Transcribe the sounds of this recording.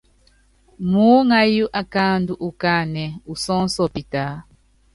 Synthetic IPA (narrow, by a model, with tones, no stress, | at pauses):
mu˦ŋa˦ju˦ʔa˨ka˦ndu˦ʔu˨ka˦nɛ˨u˨sɔ˦n˦sɔ˨pi˨ta˨˦